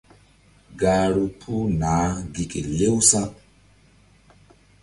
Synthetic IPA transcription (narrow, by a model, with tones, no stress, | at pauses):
ɡaː˨ɾu˨pʰu˦naː˨˦ɡi˨kʼi˨le˦wsa˦